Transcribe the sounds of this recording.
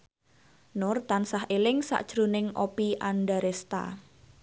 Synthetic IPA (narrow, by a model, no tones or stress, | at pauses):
nʊrt̪ansaɦʔelɪŋsa̰ʔd̥ʒ̥ɾo̤nɪŋʔopiʔanɖaɾest̪a̰